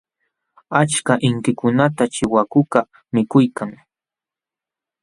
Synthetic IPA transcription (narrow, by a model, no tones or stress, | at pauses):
at͡ʃkaʔɪŋkɪkʊnat̪at͡ʃɪwakʊka | mɪkʊjkaŋ